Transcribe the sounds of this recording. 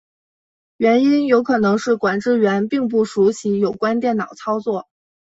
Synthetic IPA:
ɥɛ˧˥ni˥njo˧˥ʊkʰɤ˨˩nɤ˧˥ŋʂɻ̩˥˩kwa˨˩nʈ͡ʂɻ̩˥˩ɥɛ˧˥npi˥˧ŋp̬u˥˩ʂu˧˥ɕi˧˥jo˨˩ʊkwa˥nt̪jɛ˥˩nnɑ˨˩ʊt͡sʰɑ˥ʊt͡swɔ˥˩

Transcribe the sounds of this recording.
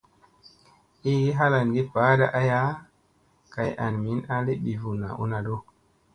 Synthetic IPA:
i˦ɡi˦ɦa˦la˨nɡi˦pa˨˦da˦ʔa˦ja˦ | ka˨ja̰˨nmi˨˦na˦le˦ɓi˨vu˨na̰˨ʔṵ˦na˨do˦

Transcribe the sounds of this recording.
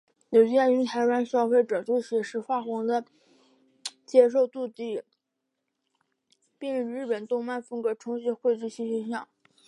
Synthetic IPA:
jo˨˩ʊt͡ɕi˥ɛ˥˩ny˧˥nt̪ʰa˧˥ɪlwa˧˥nʂɑ˥˧ʊfe˥˩ɪʈ͡ʂɤ˨˩t͡ɕ̪we˥ɪɕjɛ˧˩ʂɻ̩˧˥fwa˥˩xwɑ˧˥ŋd̪ə˧ | t͡ɕjɛ˥ʂ̬o˥˧ʊt̪u˥˧t̪i˥˩ | pi˥˧ŋɻə˥˧ŋɻɻ̩˥˩pə˨˩nt̪ʊ˥˧ŋma˥˩nfɤ˥ŋkɤ˧˥ʈ͡ʂʰʊ˧˥ŋɕi˧˥xwe˥˧ɪt͡ɕy˥˧ɕi˥ɕɛ˥nɕjɑ˥˩˦ŋ

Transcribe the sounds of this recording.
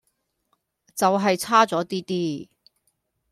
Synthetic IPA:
t͡sɐ˨wɦɐ˨jt͡sʰaː˥t͡sɔː˨˥t̪iː˥t̪iː˥

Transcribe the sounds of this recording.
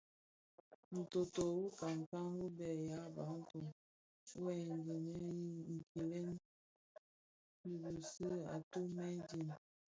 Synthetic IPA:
n̩˨to˨to˨wu˦ka˨ŋ˨ka˦ŋwu˦bɛ˨ja˦ba˨˦n̩˦tu˨˦ | wɛ˨n˨d͡ʒi˨nɛ˦i˦ŋ̩˨ki˨lɛ˦n˦ | i˨bu˨si˦a̰˨to˦mɛ˦di˦˨n

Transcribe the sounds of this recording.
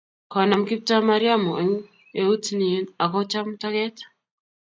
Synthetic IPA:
kɔ˨na˨mki˦p̚ta˦ma˦ɾja˦mo˨ʔe˨ɲ˦ | e˨u˦tni˨˦na˨kɔ˦t͡ʃa˦mta˦kɛ˦t

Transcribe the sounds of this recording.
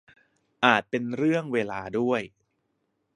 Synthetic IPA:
ʔaː˨˩t̪̚pe˧nɾɯ˥˩əŋweː˧laː˧du˥˩əj

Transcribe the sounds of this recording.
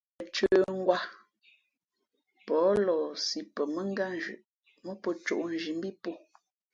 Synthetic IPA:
ə˨t͡ʃə˦ŋ̩˦ɡwa˦ | pɔː˨˦lɔ˨si˨pə˨mə˦ŋ˦ɡa˦n˦d͡ʒʉ̰˨ʔ | mɔ˦pə˨t͡ʃo̰˨ʔn̩˦ʒi˨m˦bi˦po˦

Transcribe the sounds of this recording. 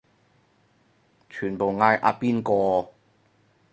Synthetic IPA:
t͡ʃʰyː˨˩npo˨wŋaː˧jʔa̰ː˧piː˥nkɔː˧

